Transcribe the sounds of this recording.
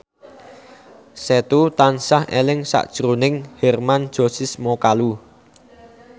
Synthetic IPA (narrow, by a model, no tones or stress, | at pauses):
set̪ut̪ansahelɪŋsa̰ʔd̥ʒ̥ɾunɪŋhɛrmand̥ʒ̥o̤sismokalu